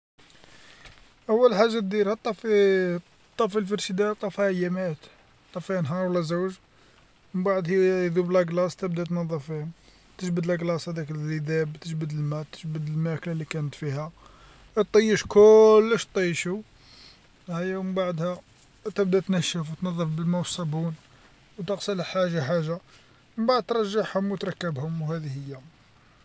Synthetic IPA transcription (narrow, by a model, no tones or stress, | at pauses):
ʔæwːəlħaʒːat̪̚d̪iɾhæt̪ːˤɑf | t̪ˤːɑfilfəɾʃəd̪æt̪ˤɑfijæmæt̪ | t̪ˤːɑfinɦɑɾˤwəlːæzuwʒ | məbaʕd̪hid̪ublæɡlɑst̪əbd̪æt̪nɑðˤːɑfi | t̪əʒbəd̪læɡlɑsˤhæd̪æklzid̪æbt̪əʒbəd̪əlmæt̪ːə̥ʒbəd̪əlmæklælikænət̪fihæ | t̪ˤːəjːəʃkʊlːəʃt̪ˤːijʃu | hæjːæwməmbaʕd̪hæ | t̪əbd̪æt̪næʃəfwt̪nɑðˤːɑfbəlmæwsˤɑbun | wt̪əqsələħaʒaħaʒːa | əbaʕəd̪̚t̪ɾˤɑʒːaħhʊmwət̪ɾˤɑkːəbhʊmwhæd̪ihəjːæ